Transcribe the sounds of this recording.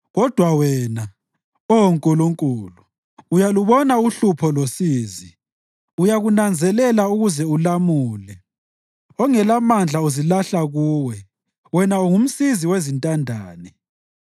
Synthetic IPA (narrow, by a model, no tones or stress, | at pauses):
ɣɔd̥ʱwawɛːna | ɔoŋkʼuluŋkʼuːluː | jaluβɔnauɬupʰɔlosiːzi | ujaɣunand͡zʱɛlɛlauɣuzɛulamuːlɛ | ɔŋɛlamand͡ɮʱaozilaɬaɣuːwɛ | wɛnaoŋum̩siziwezintʼandʱaːnɛ